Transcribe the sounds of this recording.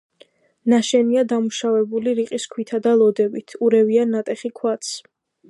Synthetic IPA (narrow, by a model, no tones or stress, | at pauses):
naʃɛniad̪amuʃavɛbuliɾiqʼiskʰwit̪ʰad̪alˠɔd̪ɛbit̪ʰuɾɛvianːat̪ʼɛχikʰwat̪s